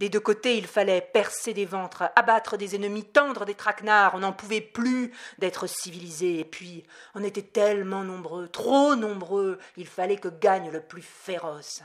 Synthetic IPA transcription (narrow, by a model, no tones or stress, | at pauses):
d̪ed̪økot̪eilfalɛpɛʁsed̪evɑ̃t̪χabat̪χəd̪ezɛnəmit̪ɑ̃d̪ʁəd̪et̪χaknaʁɔ̃nɑ̃puvɛplyd̪ɛt̪χəsivilizeːpɥiɔ̃net̪ɛt̪ɛlmɑ̃nɔ̃bʁøt̪χonɔ̃bʁøilfalɛkəɡaɲləplyfeʁɔs